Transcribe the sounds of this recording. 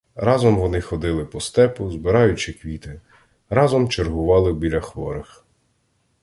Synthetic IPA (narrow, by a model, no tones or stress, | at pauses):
ɾɑzɔmʋɔnɪxɔd̪ɪlˠɪpɔst̪ɛpʊzbɪɾɑjʊt͡ʃɪkʋʲit̪ɪ | ɾɑzɔmt͡ʃerɦʊʋɑlˠɪwbʲilʲɐxʋɔɾɪx